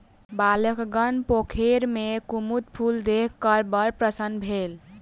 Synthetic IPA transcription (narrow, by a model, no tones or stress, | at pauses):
baləkɡənpokʰeɾmekumut̪pʰuld̪ekʰːəɾbəɾpɾəsənbʱel